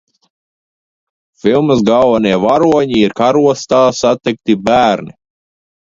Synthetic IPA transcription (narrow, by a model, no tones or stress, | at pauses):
filˠmɨzɡalˠvɛniɛvaɾuɔɲiiɾkaɾuɔst̪aːsat̪ɛk̚t̪ibæːɾnḭ